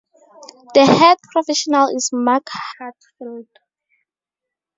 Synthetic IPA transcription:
dəhɛd̚pʰɹɔfɛʃɔnalismakhatfild̥

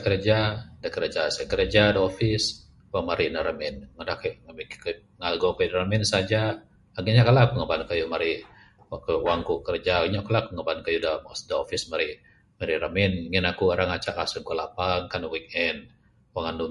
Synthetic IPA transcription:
kəɾd͡ʒadakəɾed͡ʒasakəɾəd͡ʒadofis | waŋmaɾinaɾəmɛnŋədahkʔbkk | ŋalɡokadaɾəmɛnsad͡ʒa | aɡiɲakalakuŋəbankajumaɾi | kwaŋkukəɾd͡ʒaɡiɲakalakuŋəbankajudasdaofismaɾi | maɾiɾəmɪnŋinakuaɾaŋat͡ʃaʔkasuŋkulapaŋkanwik̚ɛn | waŋandu

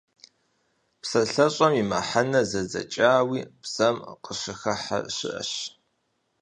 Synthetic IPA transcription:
psɐɬɐɕʼɐmimɐ̰ħanɐzɐzɐ̰t͡ʃʼaːwiːbz̥ɐmqəɕɪxɐħa̰ɕɪ̰ʔɐ̰ɕ

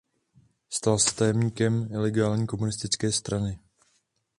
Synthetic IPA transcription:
st̪alsɛ̥t̪ajɛmɲiːkɛmɪlɛɡaːlɲiːko̞munɪst̪ɪt͡skɛːst̪ɾanɪ

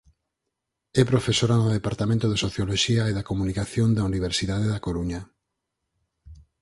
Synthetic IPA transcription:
ɛpɾofesoɾanoðepaɾt̪amẽnt̪oðesoθjoloʃiaeðakomunikaθjond̪auniβ̞eɾsiðaðeðakoɾuɲa

